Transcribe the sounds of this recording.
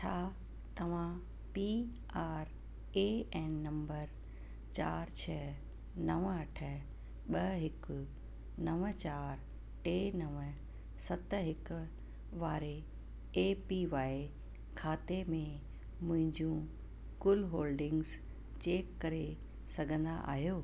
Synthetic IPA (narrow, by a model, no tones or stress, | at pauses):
t͡ɕʰaː | t̪ɐʋ̤ã | pi | aːɾ | eɛːnːɐ̃mbəɾ | t͡ɕa̰ːɾt͡ɕʰɛː | nɐʋɐʈʰə | ɓɐɦɪkʊ | nɐʋət͡ɕaːɾ | ʈeːnɐʋə | sɐt̪ɦɪkʊ | ʋaːɾe | eːpiʋaːi | kʰaːt̪emẽ | mʊ̃ɦɪ̃ɲd͡ʑũ | kʊlɦoːlɖɪ̃ŋɡz | t͡ɕeːkːɐɾe | sɐɡʱə̃nd̪a̰ʔa̰ːɦijoː